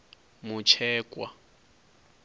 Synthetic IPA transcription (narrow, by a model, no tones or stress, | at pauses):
mut͡ʃʰɛːkʼwa